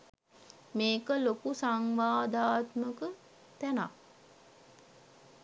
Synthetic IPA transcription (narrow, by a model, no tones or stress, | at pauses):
meːkəlokusaŋʋaːd̪aːt̪məkə | t̪æna̰